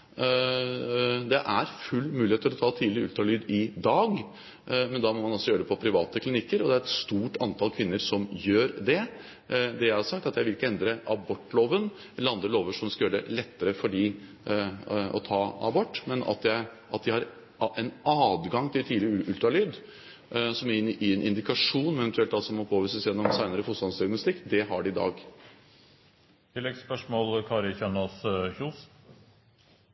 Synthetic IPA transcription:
d̪ɛʔæɾfʉlːmʉːlɪeːt̪ʰːɪlɔt̪ʰɑːt̪ʰiːd̪lɪʉ̰lt̪ɾɑlyːd̪ɪd̪ɑːɡ | mɛnd̪ɑːmɔmɑnɔsɔjøːɾəd̪ɛpʰɔpʰɾɪʋɑ̰ːt̪əklɪnɪkːəɾɔd̪ɛæɾɛt̪st̪uːʈɑnt̪ʰɑlkʰʋɪnːəɾsɔmjøːɾd̪ɛ | d̪ɛjæɪhɑʂɑk̚t̪ɑt̪jæɪʋɪlɪkːəɛnd̪ɾəʔɑbɔʈːloːʋən | ɛləɾɑnd̪ɾəloːʋəʂɔmskɑjøːɾəɖɛlɛt̪ːəɾəfɔɖi | ɔ̰t̪ʰɑːɑ̰bɔʈːmɛnɑ̰t̪jæɪ | ʔɑt̪̚d̪æhɑɾ | ɛnɑːd̪ɡɑŋt̪ʰɪlt̪ʰiːlɪʔʉlt̪ɾɑlyːd̪ | sɔmɪnʔɪɛnʔɪnd̪ɪkʰɑʂuːnɛɛnt̪ʉɛlt̪ɑlsɔmɔpʰoːʋiːsəsjɛnːɔmsæɪnəɾəfʊt̪slɑnsd̪ɪɑɡnɔst̪ɪkːd̪ɛɦɑɖɛɪd̪ɑ̰ːɡ | t̪ʰɪlːɛɡspœʂmoːlkʰɑːɾɪçɛnɑsçuːs

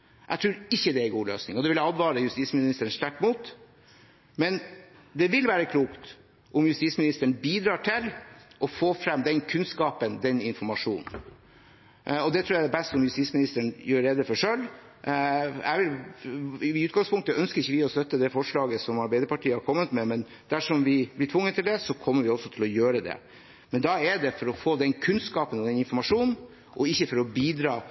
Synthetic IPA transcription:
ʔæɪt̪ʰɾʉːɾɪçːəd̪ɛæɡuːlø̰ːsnɪ̰ŋɔd̪ɛʋɪlɑd̪ʋɑːɾəjʉst̪iːsmɪnɪst̪əɾənst̪æʈːmuːt̪ | mɛn | d̪ɛʋɪlʋæːɾəkʰluːkt̪ | ʔʊmjʉst̪iːsmɪnɪst̪əɳbiːd̪ɾɑːʈʰɪlʔɔfoːfɾɛmːd̪ɛnkʰʉnskɑːpənd̪ɛnɪnfɔɾmɑʂṵːn̩ | ɔd̪ɛt̪ʰɾʉːɾjæd̪ɛbɛst̪əɔmjʉst̪iːsmɪnɪst̪əɳjøːɾɛd̪əfɔʂœlː | æ̰ʋɪl | ɪʉːt̪̚ɡɑŋspʰʊŋkt̪əʔœnskəɾɪçːəʋɪɔst̪œt̪ːəd̪ɛfɔʂɭɑːɡəsɔmɑɾbæɪd̪əɾpɑʈʰiːəhɑɾkʰɔmːət̪mɛmɛn | d̪̥æʂɔmʋɪblɪʈʰʋʊŋːət̪ʰɪld̪ɛsɔkʰɔmːəɾʋɪɔsːɔt̪ʰɪlɔjøːɾəd̪ɛ̰ | mɛnd̪ɑɛd̪ɛfɔɾɔfoːd̪ɛnkʰʉnskɑːpənɔd̪ɛnɪnfɔɾmɑʂuːn | ʔɔɪçːəfɔɾɔbiːd̪ɾɑː

